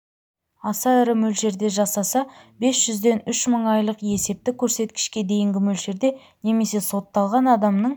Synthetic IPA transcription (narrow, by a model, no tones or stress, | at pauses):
ɑsɑɪɾɪmɵlʒe̞ɾd̪e̞ʒɑsɑsɑbe̞sʒ̥ʏzd̪e̞nʏʃməɴɑjlˠəqe̞se̞p̚t̪ɪkʲʰɵɾse̞t̪kʲɪ̥ʃkʲe̞d̪e̞jɪŋɡʲɪmɵlʒe̞ɾd̪e̞ | ne̞me̞se̞so̞t̪ːɑlˠʁɑnɑd̪ɑmnəɴ